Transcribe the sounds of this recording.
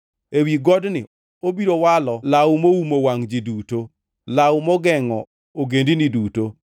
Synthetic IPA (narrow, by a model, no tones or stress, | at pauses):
ewiɡɔdnɪ̰ | obiɾowalɔlawmoumowaŋd͡ʒiduto | lawmɔɡɛŋɔ | oɡendiniduto